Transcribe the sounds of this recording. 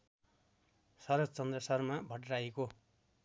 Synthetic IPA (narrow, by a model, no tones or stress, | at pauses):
sʌɾʌt͡sʌnd̪rʌsʌrmabʱʌʈraeko